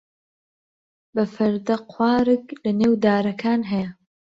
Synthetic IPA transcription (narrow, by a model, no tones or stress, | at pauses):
bɐfɐɾd̪ɐqʰwaːɾɨklɐneːwd̪aːɾɐkʰaːnɦɐjɐ